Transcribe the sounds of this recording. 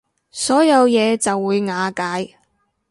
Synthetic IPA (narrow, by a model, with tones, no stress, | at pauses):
sɔː˨˥jɐ˨˧wjɛː˨˧t͡sɐ˨wːuː˨˧jŋaː˨˧kaː˨˥j